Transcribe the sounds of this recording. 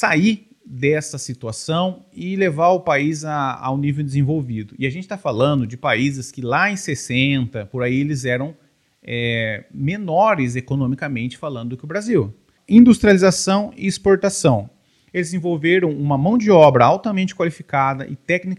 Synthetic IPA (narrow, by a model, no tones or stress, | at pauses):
sai | d̪ɛsɐsit̪uasɐ̃w̃ɪlevaɾʊpaizaa̰wnivewd̪ɪzẽvowvid̪ʊɪaʒẽnt͡ʃɪ̥t̪afalɐ̃nd̪ʊd͡ʒɪpaizɪskɪlaẽj̃sesẽnt̪ɐpoɾaielɪzɛɾɐ̃w̃ | ɛmenɔɾɪzekonõmikɐmẽnt͡ʃɪ̥falɐ̃nd̪ʊd̪ʊkɪʊbɾaziw | ĩnd̪ust̪ɾializasɐ̃w̃ɪ̰ːspoɾt̪asɐ̃w̃ | elɪzẽvowveɾɐ̃w̃ũmɐmɐ̃w̃d͡ʒɪɔbɾɐawt̪ɐmẽnt͡ʃɪkwalifikad̪ɐʔɪt̪ɛknik